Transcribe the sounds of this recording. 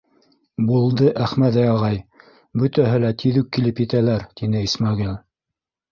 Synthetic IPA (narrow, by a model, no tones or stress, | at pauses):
bulˠd̪ɤʔæχmæðæjɑʁɑj | bɵ̆t̪æɦɘlæt̪ʰiðʉkːilɘpjɘ̆t̪ælæɾt̪inɘismɑɡilʲˠ